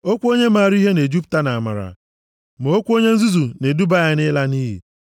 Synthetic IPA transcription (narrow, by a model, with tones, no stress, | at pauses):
o˦kʷo˦ɲe˦ma˨ɾi˦ɦe˦ne˨d͡ʒu˦p̬ta˦na˨a˨ma̰˨ɾa̰˨ | mo˨o˦kʷu˦o˦ɲe˦n̩˦zu˦zu˨ne˨du˦ba˦a˦nɪ˦la˦niː˦ɦḭ˨